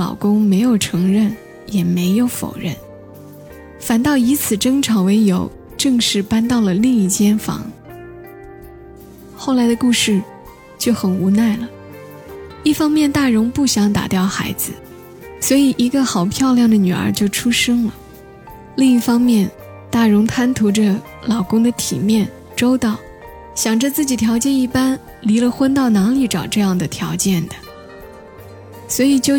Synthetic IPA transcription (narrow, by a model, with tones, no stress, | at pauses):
lɑ̰˨˩ʊkʊ˥ŋme˧˥ɪjo˨˩ʊʈ͡ʂʰɤ˧˥ŋɻə˥˩n | jɛ˨˩me˧˥ɪjo˧˥ʊfo̰˨˩ʊɻə̰˥˩n | fa˨˩nt̪ɑ˥˩ʊi˧˥t͡sʰɹ̩˨˩ʈ͡ʂɤ˥ŋʈ͡ʂʰɑ˨˥ʊwe˧˥ɪjo˨˥˩ʊ | ʈ͡ʂɤ˥˧ŋʂɻ̩˥˩pa˥nt̪ɑ˥˩ʊlə˩li˥˧ŋi˥˩t͡ɕjɛ˥nfɑ̰˧˥ŋ | xo˥˩ʊla˧˥ɪd̪ə˧ku˥˧ʂɻ̩˥˧ | t͡ɕjo˥˩ʊxə˨˩nu˧˥na˥˩ɪlə˩ | i˥˩fɑ˥ŋmjɛ˥˧nt̪a˥˩ɻʊ˧˥ŋpu˥˩ɕjɑ˧˥ŋt̪a̰˨˩t̪jɑ˥˩ʊxa̰˧˥ɪd͡zɹ̩˧ | swɔ˧˥i˨˩ʔi˧˥ɡə˧xɑ˨˩ʊpʰjɑ˥˧ʊljɑ˥˩ŋd̪ə˩ny˨˩ə̰˞˧˥t͡ɕjo˥˩ʊʈ͡ʂʰu˥ʂɤ˥ŋlə˨ | li˥˧ŋi˥˩fɑ˥ŋmjɛ˥˧n | t̪a˥˩ɻʊ˧˥ŋt̪ʰa˥nt̪ʰu˧˥ʈ͡ʂə˧ | lɑ˨˩ʊkʊ˥ŋd̪ə˨t̪ʰḭ˨˩mjɛ˥˩n | ʈ͡ʂo˥ʊt̪ɑ˥˩ʊ | ɕjɑ˨˩ŋʈ͡ʂə˧t͡sɹ̩˥˩t͡ɕi˨˩t̪ʰjɑ˧˥ʊt͡ɕjɛ˥˧ni˥˩pa˥n | li˧˥lə˧xwə˥nt̪ɑ˥˩ʊna˧˥ŋli˧˥ʈ͡ʂɑ˨˩ʊʈ͡ʂɤ˥˧jɑ˥˩ŋd̪ə˩t̪ʰjɑ˧˥ʊt͡ɕjɛ˥˩nd̪ə˩ | swɔ˧˥i˨˩t͡ɕjo˥˩